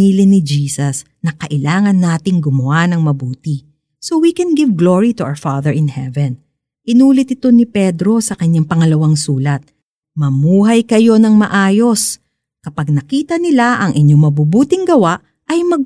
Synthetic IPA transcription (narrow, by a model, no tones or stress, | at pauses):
iːlɪnɪd͡ʒiːsɐs | nɐkɐʔɪlaːŋɐnːaːt̪ɪŋɡʊmʊanɐŋmɐbuːt̪ɪ | so̞wikɛnɡɪvɡloɹit̪uʔa̰wfaðɛɹɪnhɛvɛn | ʔɪnuːlɪt̪ɪt̪o̞nɪpɛd̪ɾo̞sɐkɐɲaŋpɐŋɐlɐwaŋsuːlɐt̪̚ | mɐmuːɦɐjkɐjo̞nɐŋmɐʔaːjo̞s | kɐpɐɡ̚nɐkiːt̪ɐnɪlaʔɐŋʔɪɲo̞ŋmɐbubuːt̪ɪŋɡɐwaʔ | ɐjmɐɡ̚